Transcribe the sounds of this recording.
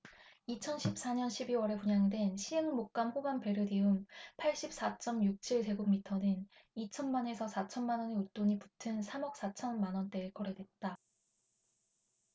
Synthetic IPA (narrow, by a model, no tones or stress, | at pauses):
it͡ɕʰʌnɕʰip̚s͈aɲʌnɕʰibiwʌɾe̞puɲaŋdwe̞nɕʰiɦe̞ŋmok̚k͈amɸobanpe̞ɾjɯdiɯmpʰaɭɕ͈ip̚s͈at͡ɕ͈ʌmjuk̚t͡ɕʰiɭse̞ɡumitʰʌnɯn | it͡ɕʰʌnmane̞sʰʌsʰat͡ɕʰʌnmanʌneut͈oɲipu̥tʰɯnsʰamʌk̚s͈at͡ɕʰʌnmanʌnt͈e̞ːkʌɾe̞dwe̞t̚t͈a